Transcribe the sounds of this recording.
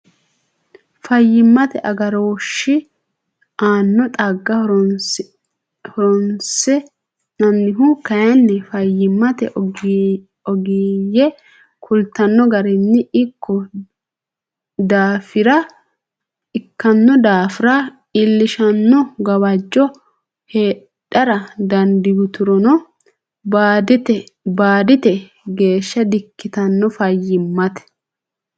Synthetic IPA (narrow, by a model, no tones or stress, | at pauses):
fɐjːɪmːɐt̪ɛʔɐɡɐɾoːʃːɪ | aːnːɔt̪ʼɐɡːɐhɾ | hɔɾɔnsɛ | nɐnːɪɦʊkɐjɐnːɛfɐjːɪmːɐt̪ɛ̰ | ɔɡiːjɛ | kʰʊlt̪ːɐnːɔɡɐɾɛnːɪɪkʰːɔ | d̪aːfɪɾɐ | ɪkːɐnːɔd̪aːfɪɾɐ | ɪlːɪʃɐnːɔɡɐwɐd͡ʒːɔ | heː | ɗɐɾɐd̪ɐnd̪ɪɡʊt̪ʊɾɔnɔ | baːd̪ɪt̪ɛbaːd̪ɪt̪ɛ | ɡe̞ːʃːɐd̪ɪkːɪt̪ɐnːɔfɐjːɪmːɐt̪ɛ̥